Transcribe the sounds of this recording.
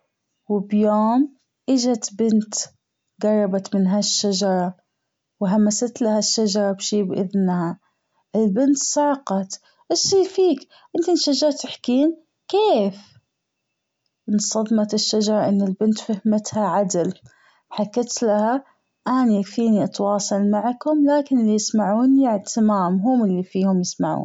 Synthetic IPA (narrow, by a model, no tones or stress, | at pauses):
wɪbjoːm | ʔɪd͡ʒat̪bɪnt̪ | ɡɑrˤːɑbat̪mɪnɦaʃːad͡ʒɑɾˤɑ | wɦamːasat̪lahaʃːad͡ʒɑɾˤɑbʃiːbʔɪðnha | ʔɪlbɪnt̪sˤɑʕqɑt̪ | ʔɪʃːiːfiːk | ʔɪnt̪inʃad͡ʒɑɾˤt̪ɪħkiːn | keːf | ʔɪnsˤɑðˤmɑt̪ɪʃːad͡ʒɑɾˤɑʔɪnːɪlbɪnt̪fahmɪt̪haʕad̪ɪl | ħakːɪt̪laha | ʔanjakfiːniʔɑt̪wɑːsˤɑlmaʕkhʊmlaːkɪnɪlːijɪsmaʕuːnjɪʕt̪ʰɪmaːmɦʊmɪlːifiːhʊmjɪsmaʕṵːn